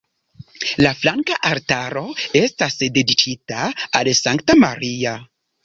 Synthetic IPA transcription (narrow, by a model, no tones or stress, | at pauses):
laflaŋkaʔaɾtaɾo̞e̞stasde̞dikʰitaalsaŋktama̰ɾia